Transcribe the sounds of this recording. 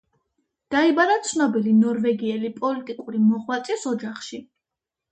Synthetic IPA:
d̪̥aibaɾat̪sʰnɔbilinɔɾvɛɡiɛlipʼɔlit̪ʼikʼuɾimɔʁwat̪sʼisɔd͡ʒaχʃi

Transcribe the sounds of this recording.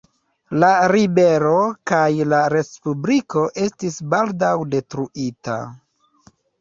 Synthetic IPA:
laɾibe̞ɾo̞kajlaɾe̞spubliko̞ʔe̞stisbaldawde̞tɾuʔita̰

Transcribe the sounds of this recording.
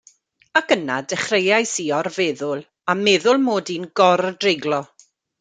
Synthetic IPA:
akənadɛχrejajsiɔrvɛːðʊlˠ | amɛðʊlˠmoːdinɡɔrdrɪɡlˠɔ

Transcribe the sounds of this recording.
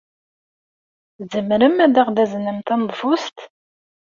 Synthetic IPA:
zəmɾəmæd̪æʁd̪æzənəmt̪ænd̪ˤfust̪

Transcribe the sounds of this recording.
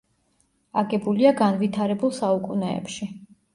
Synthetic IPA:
aɡɛbuliaɡanvit̪ʰaɾɛbulˠsaukʼunɛ̰ːpʃi

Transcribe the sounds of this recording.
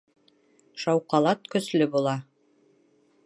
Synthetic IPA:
ʃɑwqɑlˠɑt̪kɵ̆slɵbulˠɑ

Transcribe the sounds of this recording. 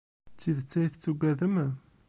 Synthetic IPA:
t͡sːiðət͡sːæjθt͡sːuɡʷæðəm

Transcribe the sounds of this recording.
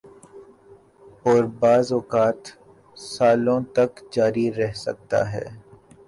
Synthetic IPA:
ɔːɾbaːzɔːkaːt̪ | saːlõt̪ɐkd͡ʒaːɾiɾɛɦsɐ̰k̚t̪a̰ɦɛ̰ː

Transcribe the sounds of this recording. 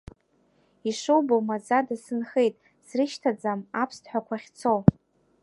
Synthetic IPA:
iʂowbowmazadasɨnχe̞jtʼ | srɨʃtʰad͡zamapʰstħʷakʷʰaχʲt͡sʰow

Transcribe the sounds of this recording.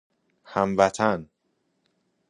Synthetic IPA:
hæmvæt̪ʰæn

